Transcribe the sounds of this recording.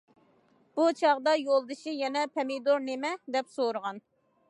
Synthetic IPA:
b̥ut͡ʃʰɑʁd̪ɑjolˠd̪ɨʃijɛnɛpʰɛmɪd̪oɾnemɛd̪ɛpsoɾəʁɑn

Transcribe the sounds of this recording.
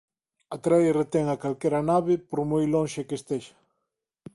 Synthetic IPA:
at̪ɾajret̪ɛŋakalkɛɾɐnaβɪpoɾmojloŋʃekest̪eʃɐ̥

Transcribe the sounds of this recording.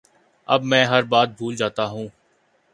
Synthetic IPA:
ɐ̰bmɛ̃ːɦɐɾbaːt̪̚bʱuːld͡ʒaːt̪aɦũː

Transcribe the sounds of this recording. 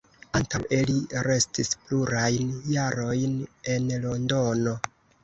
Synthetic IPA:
antawʔeliɾe̞stispluɾajnjaɾo̞jne̞nlo̞ndo̞no̞

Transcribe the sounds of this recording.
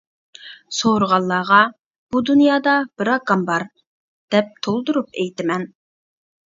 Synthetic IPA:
soɾəʁɑlˠːɑːʁɑ | b̥ud̪unjɑːd̪ɑb̥ɪɾɑɡɑmbɑɾ | d̪̥ɛp̚t̪ʰolˠd̪uɾupɛjt̪ɪmɛn

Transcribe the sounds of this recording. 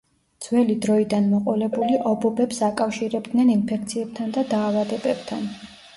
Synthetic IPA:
d̪z̥wɛlid̪ɾɔid̪anmɔqʼɔlɛbuliʔɔbɔbɛpsakʼafʃiɾɛbd̪nɛninpʰɛkʰt̪sʰiɛb̥̚t̪ʰand̪ad̪aːvad̪ɛbɛb̥t̪ʰa̰n

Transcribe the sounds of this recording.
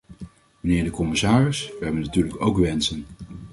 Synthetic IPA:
mənɪːɹdəkɔmɪsaːrɪsʋəɦɛbənatyːɹləkowkʋɛnsən

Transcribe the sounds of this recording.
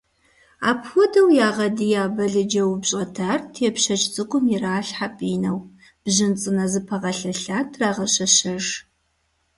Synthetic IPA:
a̰ːpʰxʷɔdɐwjaːʁɐdijaːbɐɮɨd͡ʒɐwbɕʼɐtʰaːrtʰeːpɕɐt͡ʃʼt͡sʼɨkʷʼʊmjiɾaːɬħapʼiːnɐw | b̥ʑɪnt͡sʼɨnɐzɨpʰɐʁɐɬɐɬaːtʰraːʁɐɕɐɕɐʒ

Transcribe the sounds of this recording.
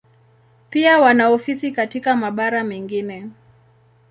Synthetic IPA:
piawanaɔfisikatikamaɓaɾamɛŋɡinɛ

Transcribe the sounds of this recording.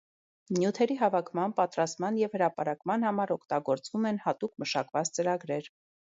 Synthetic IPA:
njut̪ʰɛɾiɦɑvɑkʰmɑnpɑt̪ɾɑst̪mɑnjɛvhəɾɑpɑɾɑkmɑnhɑmɑɾɔkʰt̪ɑɡɔɾt͡svumɛnhɑt̪ukʰməʃɑkvɑt͡st͡səɾɑɡɾɛɾ

